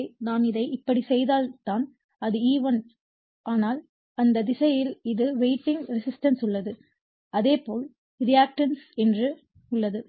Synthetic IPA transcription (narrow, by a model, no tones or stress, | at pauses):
naːnɪðɐɪɪpːɐɽisɛjðaːlt̪aːn | ɐðɯiːʋɐn | ʔaːnaːl | ɐnd̪ɐd̪ɪsɐjɪlɪðɯʋeɪʈːɪŋɡɾɪsɪsʈɐnsʊɭːɐðɯ | ɐðeːpoːl | ɾɪjaːk̚ʈɐnsɛndrɯ | ʊɭːɐðɯ